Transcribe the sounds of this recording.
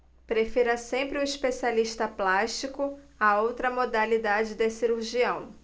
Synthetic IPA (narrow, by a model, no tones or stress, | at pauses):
pɾefiɾɐsẽmpɾɪũiʃpesialiʃt̪ɐplaʃt͡ʃikʊ | aowt̪ɾɐmod̪alid̪ad͡ʒɪd̪esiɾuɾʒiɐ̃w̃